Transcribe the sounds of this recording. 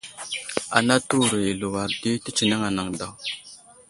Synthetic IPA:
a̰˨na˦tu˦˨ɾə˨je˨lu˨wa˨ɾdi˦ti˦t͡ʃi˨na˦ŋa˨na˨ŋda˨w

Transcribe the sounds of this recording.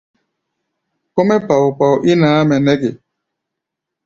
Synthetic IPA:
ko˦mɛ˦pa˨wpa˨wʔi˦naː˨˦mɛ˨nɛ˦ɡe˨

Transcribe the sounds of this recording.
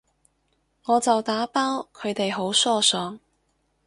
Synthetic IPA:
ŋɔː˨˧t͡sɐ˨wt̪aː˨˥paː˥wkʰɵ˨˧ɥt̪e˨jɦo˨˥wsɔː˥sɔː˨˧ŋ

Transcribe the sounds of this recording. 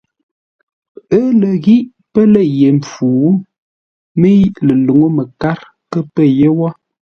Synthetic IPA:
ə˦lə˨ɣi˦ʔ | pə˦lə˦je˨m˨p͡fuː˨˦ | mə˦ji˦ʔlə˨lu˨ŋo˦mə˨ka˦ɾ | kə˦pə˦je˦wɔ˦

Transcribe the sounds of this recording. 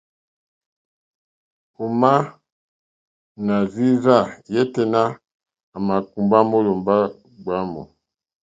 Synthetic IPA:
u˨ma˦ | na˨zi˦za˦˨jɛ˦tɛ˨na˦ | a˨ma˨ku˨mba˦mo˦lo˨mba˦ | ɡ͡ba˦mo̰˨

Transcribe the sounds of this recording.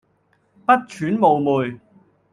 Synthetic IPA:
pɐ˥t̚t͡ʃʰyː˨˥nmo˨˧wmuː˨j

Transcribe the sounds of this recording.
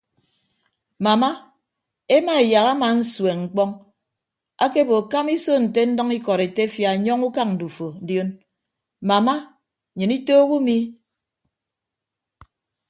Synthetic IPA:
ma˨ma˦ | e˦ma˨e˨ja˨ɣa˦ma˨n̩˦swe˨ŋ͡m̩˨k͡pɔ˦ŋ | a˦ke˦bo˨ka˦mi˦so˦n̩˨te˦n̩˦dɔ˦ŋi˦kɔ˨ɾe˨te˦fja˨ɲɔ˦ŋu˦ka˦k̚n̩˨du˨fo˨n̩˦djo˦n | ma˨ma˦˨ | ɲɨ˨ni˦toː˦ɣu˦mi˦

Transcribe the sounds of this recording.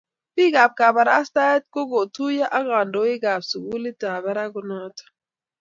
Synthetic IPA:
pi˦ɡa˨b̚ka˨ba˨ɾa̰˦st̪a˦ɛ˦t̪̚ko˦ɡo˨t̪u˦ja˦ʔa˦ɣa˨ndo˦i˦ɡa˨bsu˨ɡu˦li˦ta˨βɛ˦ɾa˦ɡu˦nɔ˦tḁ˨

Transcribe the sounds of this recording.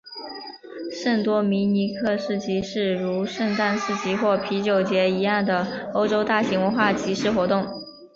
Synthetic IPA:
ʂə˥˩ŋt̪wɔ˥mi˧˥ni˧˥kʰɤ˥˧ʂɻ̩˥˩t͡ɕʰi˧˥ʂɻ̩˥˩ɻu˧˥ʂə˥˧ŋt̪a˥˧nʂɻ̩˥˩t͡ɕi˧˥xwɔ˥˩pʰi˧˥t͡ɕjo˨˩ʊt͡ɕjɛ˧˥i˧˥jɑ˥˩ŋd̪ə˩o˥ʊʈ͡ʂo˥ʊt̪a˥˩ɕi˧˥ŋwə˧˥nxwa˥˩t͡ɕi˧˥ʂɻ̩˥˩xwɔ˧˥t̪ʊ˥˩ŋ

